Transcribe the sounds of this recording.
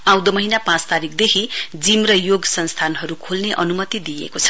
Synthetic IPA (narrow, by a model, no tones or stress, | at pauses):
ãw̃d̪ʌmʌɦinapãt͡st̪aɾikd̪ekʰid͡zimrʌjoɡsʌnst̪ʰanɦʌɾukʰolneʔʌnumʌt̪id̪ijḛkot͡sʰʌ̥